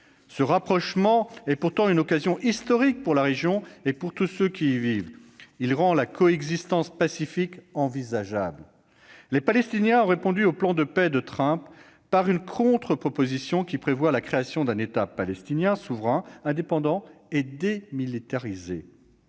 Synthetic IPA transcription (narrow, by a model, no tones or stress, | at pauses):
səʁapχɔʃmɑ̃ɛpuʁt̪ɑ̃ynɔkazjɔ̃ʔist̪ɔʁik̚puʁlaʁeʒjɔ̃epuʁt̪usøkʲivivilʁɑ̃lakʰɔɛɡzist̪ɑ̃spasifikɑ̃vizaʒabl | lepalɛst̪injɛ̃ɔ̃ʁepɔ̃d̪yoplɑ̃d̪əpɛd̪ət̪χɛ̃pː | aʁynkʰɔ̃t̪χəpχɔpozisjɔ̃kʲipχevwalakχeasjɔ̃d̪ɛ̃net̪apalɛst̪injɛ̃suvʁɛ̃ɛ̃d̪epɑ̃d̪ɑ̃ed̪emilit̪aʁize